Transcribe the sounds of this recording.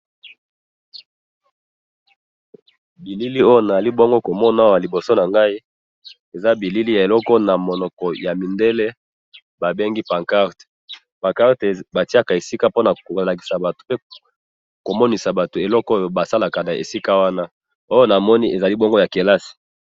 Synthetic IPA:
bi˨li˦li˦o˦jo˦na˨za˨li˦bo˦ŋɡo˦ko˨mɔ˦n˦a˦wa˨li˨bo˨so˦na˨ŋɡa˦i˦ | e˨za˦bi˨li˦li˦ja˨e˨lɔ˦kɔ˦na˨mo˨nɔ˨kɔ˨ja˨mi˨nde˦le˦ | ba˨be˦ŋɡi˦pa˨ŋka˦ʁte̥˨ | pa˨ka˦ʁte˨ba˨ti˦a˦˨ka˨e˨si˦ka˦po˦na˨ko˨la˨ki̥˨sa˨ba˨to̥˨pe˦ | ko˨mɔ˦ni˨sa˨ba˨to˨e˨lɔ˦ko˦jo˨ba˨sa˦la˨ka˨na˨ʔḛ˨si˦ka˦wa˦na˦ | o˦jo˦na˨mɔ˦ni˦ʔe˨za˨li˦bɔ˦ŋɡo˦ja˨ke˨la˦si̥˨

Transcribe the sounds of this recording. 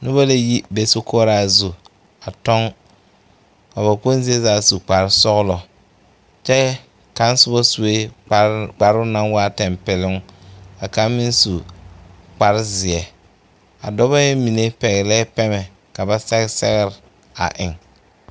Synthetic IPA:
nʊ˦ba˦la˦ji˦be˨so˦kʰɔː˦ɾa˦˨zu˨ | a˨tɔ˦ŋ | ka˨ba˨ko˦n˦zi˦e˦zaː˨˦˨su˨k͡pa˨ɾɪ˦sɔ˦ɣlɔ˨ | t͡ʃɛ˦ | ka˨˦n˦sʊ˦bɔ˦su˨we˦ | k͡pa˨ɾʊ˦na˦ŋwaː˦tɛ˨mpɪ˨lɪ˦ŋ˦a˨ka˦mɪ˦nsu˨ | k͡pa˨ɾɪ˦zɪ˨ɛ˨ | a̰˨dɔ˦βa˦jɛ˦mi˨ne˦pɛ˨ɣɪ˨lɛ˦pɛ˦mɛ˨ | ka˨ba˦sɛ˦ɣsɛ̰˦ɣɪ˦ɾɪ˨ | a̰˨ʔɪ˨ŋ

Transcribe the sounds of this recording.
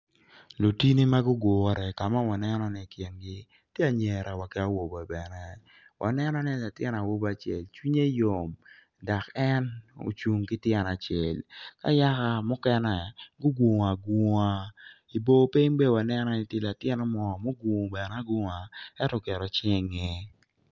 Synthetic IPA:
lo˨ti˦ni˦ma˦ɡʊ˦ɡwo˨˦ɾɛ˨ka˨ma˦wa˨nɛ˦nɔ˦ni˦˨kjɛ˨nɡɪ˦ | tje˦a˨ɲe˨ɾa˨wa˨kɪ˦a˦wo˨bɔ˨bɛ˨nɛ˨ | wʔa̰˨nɛ˦nɔ˦nɛ˦la˨tjɛ˦na˨wo˦ba˦t͡ʃjḛ˨lt͡ʃwi˦ɲe˦jo˨m | da˨kɛ˦no̰˨t͡ʃu˨ŋkɪ˦tjɛ˦na˨t͡ʃe˨lka̰˦ja˦ka˨mʊ˦kɛ˦nɛ˨ɡʊ˦ɡwo˨ŋ˨a˨ɡu˨ŋa˦ | i˨bo˦pi˦ŋbɛ˦wa˨nɛ˦nɔ˨nɪ˦tje˦la˨tjɛ˦nɔ˦mɔ˨mo˦ɡu˨ŋ˨bɛ˨n˦a˦ɡu˦ŋa˨ɛ˦tɔ˦˨kɛ˨ɾɔ˨t͡ʃɪ˦ŋɛ˦

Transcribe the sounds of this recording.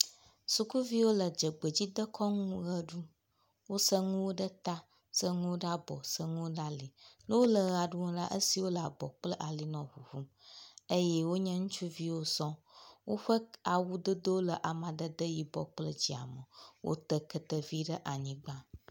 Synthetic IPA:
su˨ku˦vi˦wo˦lə˨d͡ʒə˨ɡ͡bə˨d͡ʑi˦d̪ə˦kʰɔ˦ŋũ˦ɣə˦ɖu˦ | wo˦sə˦ŋũ˦wo˦ɖə˦t̪a˦ | sə˦ŋũ˦wo˦ɖa˦bɔ̰˨sə˦ŋũ˦wo˦ɖa˦li˨lə˦wo˦lə˨ɣa˨ɖu˦ŋõ˦la˦ʔə˦si˨wo˦la˨bɔ˨k͡plə˦ʔa˨li˦nɔ̃˨ɦu˨hu˦m | ə˦jɛ˦wo˦ɲə̃˦ŋũ˦t͡ʃu˦vi˦wo˦sɔ̃˦wo˦ɸə˦a˨wu˦d̪ə˦d̪ə˦wo˦lə˨ʔa˨mã˨d̪ə˦d̪ə˦ji˦bɔ˨k͡plə˦d͡ʑi˦a̰˨mə˨wʔo̰˦t̪ə˦kə˦t̪ə˨vi˦ɖə˦ʔa˨ɲĩ˦ɡ͡ba˦

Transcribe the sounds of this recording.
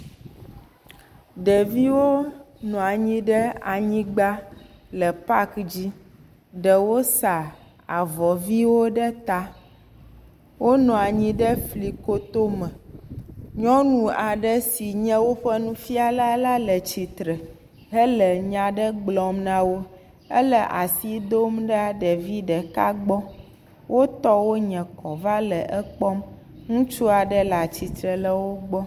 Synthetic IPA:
ɖɛ˨vi˦wo˦nɔ̃˨a˨ɲĩ˦ɖɛ˦a˨ɲĩ˦ɡ͡ba˦lɛ˨pa˦kd͡ʑi˦ | ɖɛ˨wo˦sa˨ | a˨vɔ˨vi˦wo˦ɖɛ˦t̪a˦ | wo˦nɔ̃˨a˨ɲĩ˦ɖɛ˦fli˨ko˦t̪o˦mɛ̃˨ | ɲɔ̃˦nũ˨a˨ɖɛ˦si˨ɲɛ̃˦wo˦ɸɛ˦nũ˦fi˦a˨la˦la˦lə˨t͡ɕi˨t̪ɾɛ˨ | ɦɛ˦lɛ˨ɲã˨ɖə˦ɡ͡blɔ˨mnã˦wo˦ | ɛ˦lɛ˨ʔa˨si˦d̪o˦mɖɛ˦a˨ɖɛ˨vi˦ɖɛ˨ka˦ɡ͡bɔ˦ | wʔo˦t̪ɔ˦wo˦ɲɛ̃˨kɔ˨va˦lɛ˨ʔɛ˦k͡pɔ˦m | ŋũ˦t͡ʃu˦a˨ɖɛ˦la˨t͡ɕi˨t̪ɾɛ˨lə˦wo˦ɡ͡bɔ˦

